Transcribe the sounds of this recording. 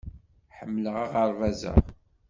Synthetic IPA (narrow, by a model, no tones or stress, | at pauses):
ħəmːləʁaʁəɾˤvæzə̰ʁ